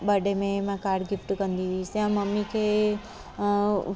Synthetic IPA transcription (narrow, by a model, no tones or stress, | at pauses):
ɓɐɖemẽmãkaːɾɖɡɪfʈkɐ̃nd̪isjãmɐmːikʰeː